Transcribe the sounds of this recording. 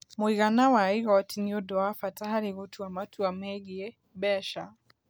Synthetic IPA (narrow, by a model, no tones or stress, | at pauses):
mwiɣanawaiɣawatiniɔdɔafataɦaɾiɣɔtʰuamatʰuamɛɡiɛ | bɛʃa